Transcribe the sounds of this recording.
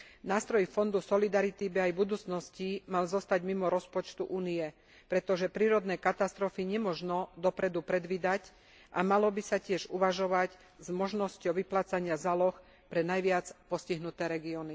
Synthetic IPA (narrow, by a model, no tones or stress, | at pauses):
naːst̪ɾɔjifɔnd̪usɔlid̪aɾit̪ibiajbud̪uːt͡snɔscimalzɔst̪aɟmimɔɾɔspɔt͡ʃt̪uʔuːniɛ | pɾɛt̪ɔʒɛpɾiːɾɔd̪nɛːkat̪ast̪ɾɔfiɲɛmɔʒnɔd̪ɔpɾɛd̪upɾɛd̪ʋiːd̪ac | ʔa̰malɔbisacɪɛʒuʋaʒɔʋaɟ | zmɔʒnɔscɔʊʋiplaːt͡saɲɪazalɔx | pɾɛnajʋɪat͡spɔsciɦnut̪ɛːɾɛɡiɔːni